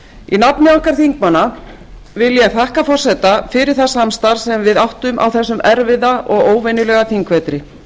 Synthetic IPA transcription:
inapnɪaŋ̥kaɾ̥θiŋkmana | vɪljɛɣθahkafɔr̥sɛt̪afɪɾɪɾ̥θḁsamst̪aɾ̥sɛmvɪðawht̪ʏmʔa̰wθɛsːʏmɛɾvɪðaʔɔɣoːwvɛnɪlɛːɣaθiŋkvɛt̪ɾɪ

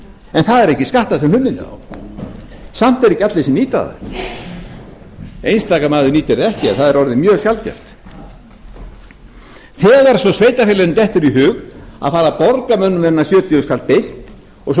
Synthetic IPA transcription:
ɛnθaðɛɾɛhcɪskaht̪aðsɛmlh̪ʏmːɪnɪ̰a̰w | sam̥t̪ɛɾɛhcːat̪lesɪmniːt̪a̰ða̰ | ejnst̪aːkamaːðʏniːt̪ɛɾɛhcɪɛnθaðɛɾɔɾðɪmjœːɣsjalcɛ̰ft̪ | θɛːɣaɾ̥sɔsveːjt̪afɪːlɛðʏmt̪ɛht̪ʏɾiɦʏːɣa̰ðfaːɾapɔɾkamœnːʏmɛnasjœːt̪iʏskʰaːl̚pejn̥t̪ | ɔɣs

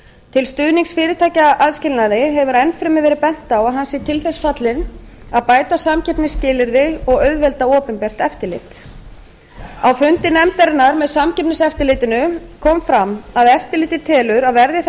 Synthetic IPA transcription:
t̪ʰɪlst̪ʏðniŋksfɪːɾɪt̪ʰaːjcaʔaðscɪlnaðɪɦɛvʏɾɛnfɾɪmɪvɛːɾɪpɛn̥t̪awaðɦansɪt̪ʰɪlθɛsfat̪lɪnaðpaːjt̪asamcɛpnɪscɪːlɪɾðɪɔɣœɥðvɛlt̪aɔːpʏmpɛːr̥t̪ɛft̪ɪɾlɪ̰ːt̪ | awfʏnt̪ɪnɛmt̪ɛɾnːaɾmɛðsamcɛpnɪsɛft̪ɪɾlɪːt̪ɪnʏkʰɔːmfɾamaðɛft̪ɪlɪːt̪ɪt̪ʰɛːlʏɾaðvɛɾðɪθ

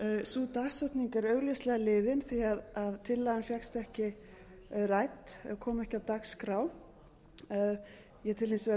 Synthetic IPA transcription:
sut̪aksœt̪niŋkaɾœːɥɣleslɛɣalɪːðɪnθiaðaðt̪ʰɪlːajðanfjakst̪ɛhcɪ | raːjt̪kʰɔːmɛhcɪawt̪akskɾaw | jɛt̪ʰɪlnisɛ

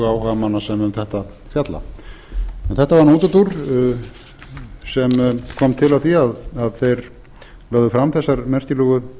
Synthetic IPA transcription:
aːwhamanːasɛmʏmθɛht̪a | fjat̪la̰ | ɛnθɛht̪avaɾnuːt̪ʏt̪uɾ | sɛmkʰɔmt̪ʰɪlawθiaðaðθejɾ | lœːɣðʏfɾamθɛsːaɾmɛr̥cɪlʏɣʏ

